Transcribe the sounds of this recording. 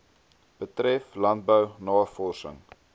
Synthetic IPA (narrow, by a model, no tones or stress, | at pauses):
b̥ətɾɛflɐnt̚bəwnɑːfɔlsə̰ŋ